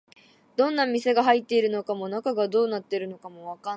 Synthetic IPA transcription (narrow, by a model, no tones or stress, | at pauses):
d̪̥õ̞nːamʲise̞ɡaɦait̪ːe̞iɾɯ̟no̞kamo̞nakaɡad̪o̞ːnat̪ːe̞iɾɯ̟no̞kamo̞βaka